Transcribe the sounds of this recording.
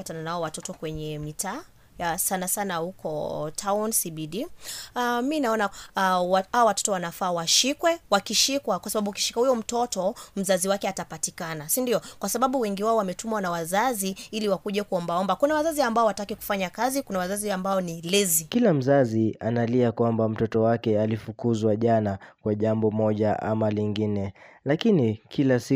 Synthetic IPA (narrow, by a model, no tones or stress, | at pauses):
atananaɔwatɔtɔkwɛɲɛmitaː | sanasanahukʰɔtʰaɔnsiɓiɗi | minaɔnawahaɔwatɔ̥tɔwanafaːwaʃikwɛwakiʃikwakwasaɓaɓuuki̥ʃi̥kahujɔm̩tɔtɔm̩zaziwakɛatapatikanasindiɔkwasaɓaɓuwɛŋɡiwaɔwamɛtumwanawazaziiliwakuʄɛkuɔmbaɔmbakunawazaziambaɔwatakiku̥faɲakazikunawazaziambaɔnilɛzikilam̩zazianaliakwambam̩tɔtɔwakɛalifukuzwaʄanakwaʄambɔmɔʄaa̰maliŋɡinɛlakinikʰilasi